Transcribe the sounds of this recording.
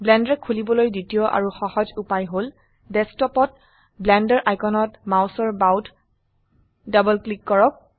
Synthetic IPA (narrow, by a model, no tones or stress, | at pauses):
blɛndɹɛkʰulibɔlojditiɔʔa̰ɹuxɔhɔd͡ʒupajɦol | dɛstɔpɔt̚ | blɛndɛɹʔajkɔnɔtmawsɔɹbawtʰ | dabɔlklikːɔɹɔk̚